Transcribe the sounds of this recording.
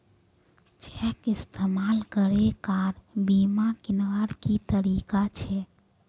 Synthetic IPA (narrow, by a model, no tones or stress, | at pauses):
t͡ʃɛkist̪ʰemalkəɾekaɾbimakinʋaɾkit̪əɾikat͡ʃʰɛ